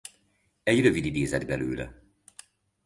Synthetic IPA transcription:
ɛɟrøvid̪id̪eːzɛd̪bɛlø̰ːlɛ̰

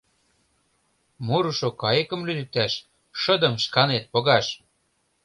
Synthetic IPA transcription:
muɾuʃokɑjə̆kə̆mlyd̪ɘ̆t̪æʃ | ʃɤ̆d̪ə̆mʃkɑnet̪̚poɣɑʃ

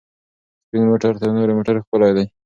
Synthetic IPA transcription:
spiŋmoʈaɾt̪ənoɾemoʈaɾexpəlajd̪aj

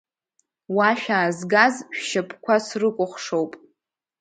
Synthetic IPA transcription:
waʃᶣaːzɡazʃᶣʃapʰʼkʷʰasrɨkʷʼʊχʷʂowpʼ

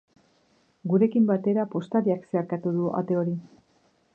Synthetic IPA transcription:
ɡuɾe̞kimbat̪e̞ɾapo̞st̪aɾiakseaɾkat̪uðua̰t̪e̞o̞ɾi

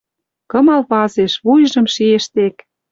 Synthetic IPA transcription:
kɤ̆mɑlpɑzeʃβujʒɤ̆mʃieʃt̪ek

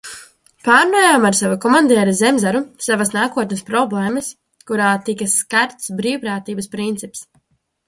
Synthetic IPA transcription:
paːɾnuːjaːmaɾsavakɔmand̪iɛɾizɛmzaɾusavasnaːkuɔt̪nəspɾɔblˠɛːməs | kuɾaːt̪ikaskaɾt̪sbɾiːwpɾaːt̪iːbɐspɾint̪sips

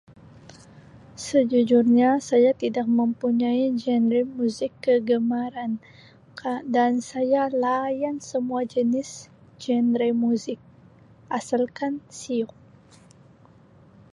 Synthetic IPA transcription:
səd͡ʒud͡ʒʊrɲasajat̪idak̚məmpuɲaid͡ʒɛnɾimuzɪkːəɡəmaɾan | dansajalajansəmuad͡ʒənɪs | d͡ʒɛnɾimuzɪk̚ | ʔasalkansiʊk̚

